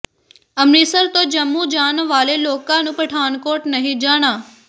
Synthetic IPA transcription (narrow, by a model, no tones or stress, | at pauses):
əmɾiːsəɾt̪õːd͡ʒəmːuːd͡ʒaːnʋaːleloːkãnũːpəʈʰaːnkoːʈnəɦĩd͡ʒaːɽ̃aː